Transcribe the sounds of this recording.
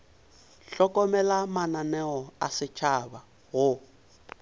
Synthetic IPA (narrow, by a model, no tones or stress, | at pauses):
ɬɔkʼɔmɛlamananɛɣɔasɪt͡ʃʰaba | ɣʊ